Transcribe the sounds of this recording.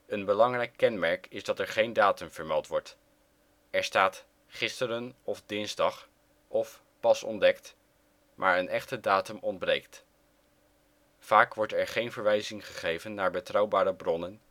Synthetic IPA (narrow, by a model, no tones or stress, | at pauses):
ənbəlɑŋrɛjkːɛnmɛɹkɪzdɑtɛɹχejndaːtəmv̥əɹmɛlˠtʋɔɹt | ɛɹstaːt | χɪstəɾənɔfdɪnzdɑχ | ɔf | pɑsɔ̰ndɛkt | mʔa̰ːɹənʔɛχtədaːtəmɔnd̚brejkt | faːkʋɔɹtɛɹχejnvəɹʋɛjzɪŋχəχejvənːaːɹbətrɑwbaːɾəbrɔnən